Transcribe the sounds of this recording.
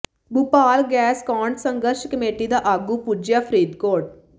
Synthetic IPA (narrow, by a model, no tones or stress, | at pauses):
bupaːlɡɛːskɔːɳʈsə̃ŋɡəɾʃkəmeːʈid̪aːʔaːɡupud͡ʒjaːpʰɾiːd̪koːʈ̚